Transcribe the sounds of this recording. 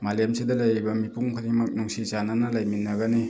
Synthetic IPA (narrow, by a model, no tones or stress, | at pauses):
malemsedɐlajbɐmipuŋkʰɯdiŋmɐk̚nuŋsizananalajminːaɡani